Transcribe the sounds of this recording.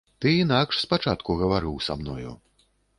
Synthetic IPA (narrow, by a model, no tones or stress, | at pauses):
t̪ɨinakʂspat͡ʂat̪kuɣɐvaɾɨwsa̰mnɔjṵ